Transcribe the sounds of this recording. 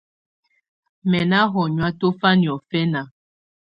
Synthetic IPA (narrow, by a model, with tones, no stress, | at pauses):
mɛ˨na˦ɦɔ˨ɲwa˦to˦fa˦ni˨ɔ˨fɛ˦na˨